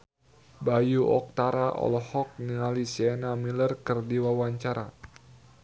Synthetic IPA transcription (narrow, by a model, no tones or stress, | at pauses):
bajuʔɔk̚t̪aɾaʔɔ̰lɔhɔk̚niŋalisɛnamilərkərdiwawaɲt͡ʃaɾa̰